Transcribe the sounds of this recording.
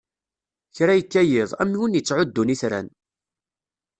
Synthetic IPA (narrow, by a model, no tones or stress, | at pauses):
çɾajəkːæjɪðˤæmːiwunjət͡sːʕʊd̪ːuniθɾæ̰n